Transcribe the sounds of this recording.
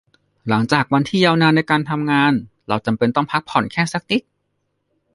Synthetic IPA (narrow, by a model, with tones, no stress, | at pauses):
la˩˦ŋt͡ɕaː˨˩k̚wa˧nt̪ʰiː˥˩jaː˧wnaː˧nːa˧jkaː˧nt̪ʰa˧mŋaː˧n | ɾa˧wt͡ɕa˧mpe˧nt̪ɔ˥˩ŋpʰa˦˥k̚pʰɔ˨˩˦nkʰɛː˥˩sa˦˥k̚t̪i˦˥t̪̚